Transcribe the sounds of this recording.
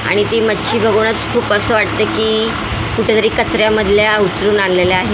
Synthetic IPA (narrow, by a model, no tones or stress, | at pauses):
a̰ɽ̃it̪iːmətːɕʰiːbʱəɡuɽ̃ət͡skʰuːpəsəːʋaʈ̚t̪əːkiː | kuʈʰet̪əɾiːkət͡sɾjaməd̪ʱljaut͡sɾuːnalleljaaɦe